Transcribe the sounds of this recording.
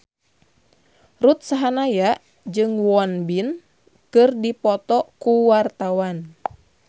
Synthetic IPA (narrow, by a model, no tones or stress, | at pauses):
rut̪̚saɦanajaʔ | d͡ʒɨŋwɔnbin | kɨrdipɔt̪ɔkuwart̪awan